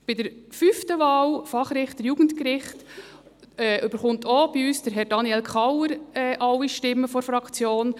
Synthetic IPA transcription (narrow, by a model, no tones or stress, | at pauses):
b̥ɪdəɾfyftəʋɑːwfɑχɾɪχtəɾjuːɡ̥əntkɾɪχt | ɛʔʏb̥əɾχʊntɔb̥iyːsd̥əɾɦɛɾd̥ɑnjɛlkʰɑwəɾɛːʔɑwiʃtɪmːəfɔɾfɾɑkt͡sjoːn